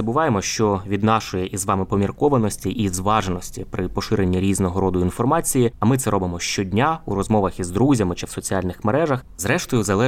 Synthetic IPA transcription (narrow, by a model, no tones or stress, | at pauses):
ɐbʊʋɑjemɔʃt͡ʃɔʋʲid̪nɑʃɔjɛʔizʋɑmɪpɔmʲirkɔʋɐnɔsʲtʲiʔizʋɑʒenɔsʲtʲipɾɪpɔʃɪɾenʲːiɾʲiznɔɦɔɾɔd̪ʊinfɔrmɑt͡sʲijiɐmɪt̪sɛɾʔɔbɪmɔʃt͡ʃɔdʲnʲauɾɔzmɔʋɐxizd̪ɾuzʲɐmɪt͡ʃɪwsɔt͡sʲiɑlʲnɪxmeɾɛʒɐx | zɾɛʃt̪ɔjʊzɐlˠɛ